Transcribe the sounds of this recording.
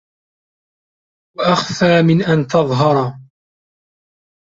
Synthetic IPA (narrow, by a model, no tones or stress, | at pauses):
waʔaxfaːmɪnʔant̪ɑðˤɦɑɾˤ